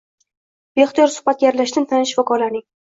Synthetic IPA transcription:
beχt̪ijɒɾsʊ̥hbat̪̚ɡʲjaɾlaʃd̪ant̪ʰanɪʃvɒkʰɒlanɪŋ

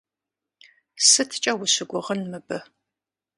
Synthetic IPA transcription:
sɨtʰt͡ʃʼɐwʊɕɪɡʷʊʁənmɨbɨ

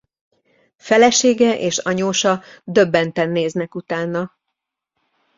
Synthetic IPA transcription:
fɛlɛʃeːɡɛʔeːʃɒ̰ɲoːʃɒd̪ø̞bːɛnt̪ɛnːeːznɛkut̪aːnːɒ

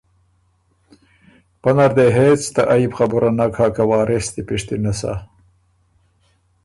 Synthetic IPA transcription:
pɐnaɾd̪eɦeːt͡st̪aʔaibxabuɾʔanakʰakawaːɾest̪ipiʂt̪inasa̰

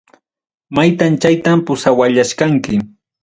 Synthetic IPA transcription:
majt̪ant͡ʃajt̪ampʊsawaʎaʃkaŋkɪ

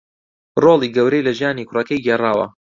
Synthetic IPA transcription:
roːlˠiːɡɐwɾejlɐʒjaːnikʰʊrɐkɐjɡeːraːwɐ̰

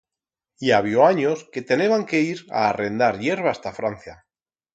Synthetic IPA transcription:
iaβ̞joaɲoske̞t̪ene̞βaŋke̞iɾa̰ːre̞nd̪aɾje̞ɾβ̞ast̪afɾanθja

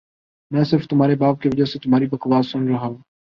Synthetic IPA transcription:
mɛ̃ːsɪɾft̪ʊmɦaːɾebaːb̚kiʋəd͡ʒaset̪ʊmaːɾibəkʋaːsʊ̃nɾɐɦaũː

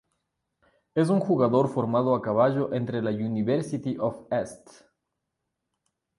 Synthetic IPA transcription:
e̞s̬uŋxuɣaðo̞ɾfo̞ɾmað̞oakaβaʝo̞ʔe̞nt̪ɾelauniβeɾsit̪iʔofest̪

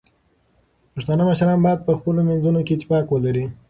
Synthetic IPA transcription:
paʃt̪ɑnaməʃɾɑnbɑjad̪̚pəxpəlomenzunoket̪ːɪ̥pɑkwəlaɾi

